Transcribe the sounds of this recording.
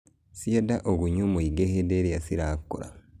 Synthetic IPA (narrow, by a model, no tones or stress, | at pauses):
siedaʔoɡuɲumuiɡehedeɾjasiɾaːkːṵɾa̰